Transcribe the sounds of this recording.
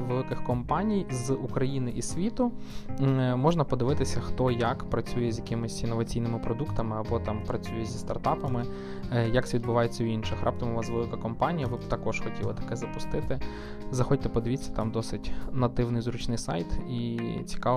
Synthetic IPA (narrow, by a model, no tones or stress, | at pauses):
ʋelˠɪkɪxkɔmpɑnʲijzukɾɐjinɪʔisʲʋʲit̪ʊ | mɔʒnɐpɔd̪ɪʋɪt̪ɪsʲɐxt̪ɔjɐkpɾɐt͡sʲujɛzʲjɐkɪmɪsʲinːɔʋɐt͡sʲijnɪmɪpɾɔd̪ukt̪ɐmɪɐbɔt̪ɑmpɾɐt͡sʲujɛzʲist̪ɐrt̪ɑpɐmɪ | jɐksʲʋʲid̪̚bʊʋɑjet͡sʲːɐwinʃɪxrʔɑ̰p̚t̪ɐmʊʋɑsʋelˠɪkɐkɔmpɑnʲijɐʋɪbt̪ɐkɔʃxɔtʲilˠɐ̰t̪ɐ̥kɛzɐpʊst̪ɪt̪ɪ | zɐxɔtʲt̪ɛpɔd̪ɪʋʲit͡sʲːɐ̥t̪ɑmd̪ɔsɪtʲnɐt̪ɪwnɪjzɾut͡ʃnɪjsɑ̰jt̪it͡sʲi̥kɑ